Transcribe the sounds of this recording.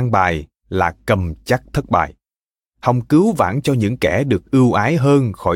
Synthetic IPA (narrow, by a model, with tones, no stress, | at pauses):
a˧ŋɓaː˨˩j | laː˨˩kə˨˩mt͡ɕa˦˥k̚t̪ʰə˦˥t̚ɓa̰ː˨˩j | ha˧wŋ͡mkɨ˨˦wva̰ː˧˩nt͡ɕɔ˧ɲɨ̰˧˥ŋkɛ˧˩ɗɨ˨˩ək̚ʔɨ˧əwʔaː˨˦jɦəː˧nxɔ˧˩